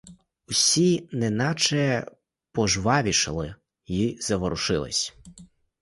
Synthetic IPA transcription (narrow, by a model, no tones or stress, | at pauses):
usʲinɛnɑt͡ʃɛ | pɔʒʋɑʋʲiʃɐ̰lˠɪ | jizɐʋɔɾʊʃɪlˠɪ̰sʲ